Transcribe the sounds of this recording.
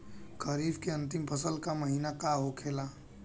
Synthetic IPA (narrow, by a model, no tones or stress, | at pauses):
kʰəɾiːfkeə̃nt̪ɪmpʰəsəlkaməɦiːnakaɦokʰeːla